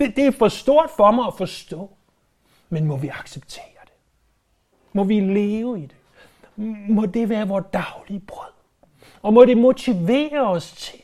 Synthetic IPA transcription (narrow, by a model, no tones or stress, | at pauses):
d̥ed̥e̝æfɒ̽sd̥o̝ɐ̰d̥fɒmɑ̈ɪæfɒ̽sd̥ɔ̰̽ː | menmɒ̽ʋiɑ̈ɡ̥seb̥̚t͡sʰe̝̰ːɐd̥e̝ | mɒ̽ʋile̝ːʊəid̥e̝ | mɒ̽d̥e̝ʋæːɐʋɒːd̥ɑ̈ʊliəb̥ʁœð̰ˠ | ɒ̽mɒ̽ɾe̝mo̝t͡sʰiʋḛːɐɒ̽st͡sʰe̝l